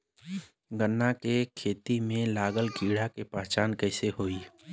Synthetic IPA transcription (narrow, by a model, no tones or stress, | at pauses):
ɡənːakekʰeːt̪imẽlaːɡəlkiːɽakepaːt͡ʃaːnkɛɪseɦoːiː